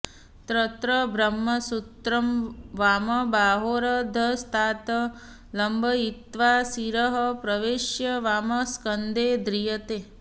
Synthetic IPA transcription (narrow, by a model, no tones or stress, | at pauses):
t̪ɾət̪ɾəbɾɐmːɐsut̪ɾɐmʋaːmɐbaːɦoɾɐd̪ʱɐst̪ʰaːt̪ɐ | lɐmbʱɐit̪ʋaːsiɾəɦɐpɾɐʋeːʃjɐʋaːməskənd̪eːd̪ɾijɐt̪eː